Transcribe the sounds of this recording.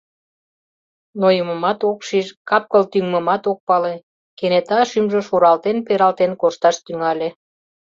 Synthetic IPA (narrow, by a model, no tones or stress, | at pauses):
nojəmə̆mɑt̪okʃiʃkɑp̚kəlt̪yŋməmɑt̪ok̚pɑle | kenet̪ɑʃymʒə̆ʃuɾɑlt̪enpeɾɑlt̪enkoʃt̪ɑʃt̪yŋɑlʲe